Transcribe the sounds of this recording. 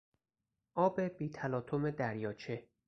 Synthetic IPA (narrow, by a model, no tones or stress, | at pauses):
ʔɒːbe̞b̥iːt̪ʰælɒːt̪ʰomed̪æɾjɒːt͡ʃʰe